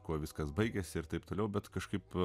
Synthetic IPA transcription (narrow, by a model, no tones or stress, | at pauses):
kuɔʋʲɪskɐsbɐɪɡʲɛsʲɪɪrt̪ɐɪpt̪oːlʲɛʊbʲɛt̪kɐʃkɐɪp